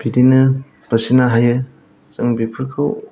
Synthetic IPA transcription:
b̥idinɯ | b̥ɐsinaɦajɯ | t͡ʃɐŋbipʰɯɾkʰɯw

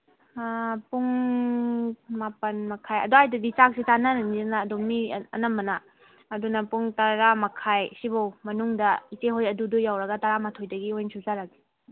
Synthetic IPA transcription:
puŋ | mapɐnmɐkʰajɐ̰doajdɐdit͡ʃak̚sitanananizanaːdomiɐ̰nɐmːɐnɐ | ɐdunɐpuŋtɐɾamɐkʰajsibɐwmɐnuŋdɐiteɦojɐdudujawɾɐɡɐtɐɾamatʰojdɐɡiojnsʰuzaɾaɡi̥

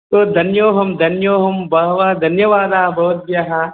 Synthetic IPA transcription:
t̪oːd̪ʱɐnjoːɦɐmd̪ʱɐnjoːɦɐmbɐɦʋaːd̪ʱɐnjɐʋaːd̪aːbʱɐɦot̪̚bjɐɦa

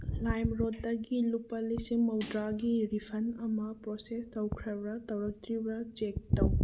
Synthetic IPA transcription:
lajmɾotdɐɡilupɐlisimɐwdɾaɡiɾipʰɐnɐmɐpɾosestʰɐwkʰɾɐbɾɐtɐwɾɐt̪ɾibɾɐd͡ʒek̚tɐw

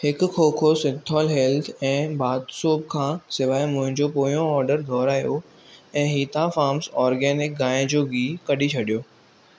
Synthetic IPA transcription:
hɪkkʰoːkʰosɪ̃nt̪ʰɔːlɦeːlt̪ʰɛ̃ːbaːd̪soːb̚kʰãːsɪʋaːemʊ̃ɦɪ̃ɲd͡ʑopoːjõɔːɾɖəɾd̪ʱɔːɾaːijo | ɛ̃ːɦiːt̪afaːɾmsɔːɾɡɛːnɪk̚ɡaːẽd͡ʑoːɡiːkɐɗit͡ɕʰɐɗijoː

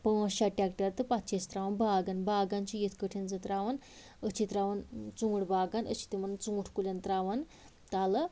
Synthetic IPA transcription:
pəãɕaʈakʈəɾt̪əpat̪ɕest̪ɾaʋanbʱaɡanbʱaɡãɲt͡ɕijet̪ʰkəʈʰind͡zət̪ɾaʋan | ət͡ɕit̪ɾaʋant͡suŋɡʈʰbʱaɡanə̰ɕi̥t̪imənnt͡suŋɡuʈʰkuljant̪ɾaʋan | t̪alə

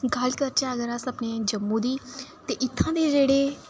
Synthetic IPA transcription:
ɡaːlkɐɾt͡ʃãɐɡəɾasɐpned͡ʒɐmːũd̪iːt̪eʔɪt̪ʰːãd̪ed͡ʒeːɽe

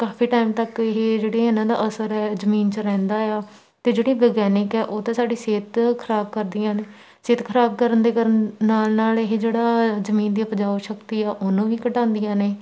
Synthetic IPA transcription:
kaːfʰiːʈaːɪmt̪əkɪɦeːd͡ʒeːɽeːɪnãːd̪a̰ːʔəsəɾɛːzəmiːnt͡ʃəɾɛ̃ːnd̪aːjaː | t̪eːd͡ʒeːɽiːbəːɡɛːnɪkɛːʔoːt̪ãːsaːɖiːseːt̪kʰəɾaːb̚kəɾd̪iːãːneː | seːt̪kʰəɾaːb̚kəɾənd̪eːkəɾənːaːlnaːleɦeːd͡ʒeːɽaːzəmĩːnd̪iːpəd͡ʒaːoʃəkt̪iːaːʔʊnũːʋiːkəʈãːnd̪ɪjãːneː

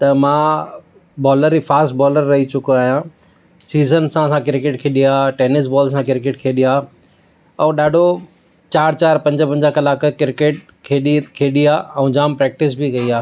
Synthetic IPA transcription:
t̪ɐmãː | bɔːləɾifaːsʈ̚bɔːləɾːɐɦit͡ɕʊkoaːɦijã | siːzənsãsãkɪɾkeʈkʰeːɗiaːʈeːnɪs̬bɔːls̬ãkɪɾkeʈkʰeːɗijaː | ɛ̃ːɗaːɖʱo | t͡ɕaːɾt͡ɕaːɾpɐ̃ɲd͡ʑə̆pɐ̃ɲd͡ʑəkɐlaːkkɪɾkeʈ̚ | kʰeːɗikʰeːɗiaːɛ̃ːd͡ʑaːmpɾɛːk̚ʈɪs̬bikɐiaː

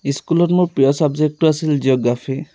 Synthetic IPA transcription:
iskulɔtmupiɔsabd͡ʒek̚ʈuasild͡ʒiɔɡafʰi

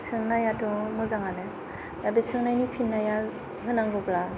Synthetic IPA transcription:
sʰɯŋnajatɔmuzaŋanɯ | dabesʰɯŋnajnipʰinːaja | ɦɯnaŋɡɯbla

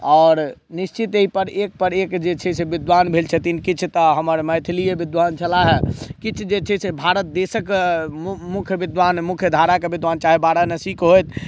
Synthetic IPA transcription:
ɔːɾnist͡ʃit̪eɦipəɾek̚pəɾekd͡ʒet͡ʃʰɛsebid̪ʋanbʱelt͡ʃʰɛt̪inkit͡ʃʰt̪əɦəməɾməjt̪ʰilijebid̪ʋaːnt͡ʃʰəlaɦɛkit͡ʃʰd͡ʒet͡ʃʰɛsebʱaɾət̪̚d̪esək | mukʰjəbid̪ʋanmukʰjəd̪ʱaɾakebid̪ʋant͡ʃaːɦebaɾanəsikɦojt̪ʰ

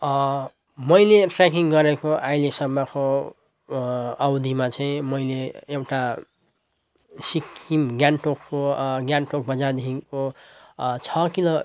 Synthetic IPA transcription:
mʌjleʈrekiŋɡʌɾekoʔajlesʌmːʌko | ʌwd̪ʱimat͡saĩmʌjleewʈa | sikimɡjanʈokːoɡjanʈok̚bʌd͡zad̪ekʰiko | t͡sʰʌkilo

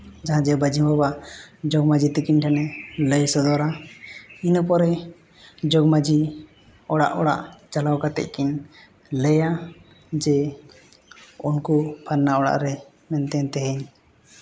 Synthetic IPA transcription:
d͡ʒaɦãd͡ʒɛbəd͡ʒimbɔbad͡ʒɔɡmad͡ʒit̪ikiɲʈʰanɛləjsɔd̪ɔɾa | inəp̬ɔɾɛ | d͡ʒɔɡmad͡ʒi | ɔɽa̰ʔɔɽa̰ʔd͡ʒalawkat̪ɛ̰c̚kiɲ | ləja | d͡ʒɛ | unkupʰaɾnaɔɽa̰ʔɾɛ | mɛnt̪ɛnt̪ɛɦɛɲ

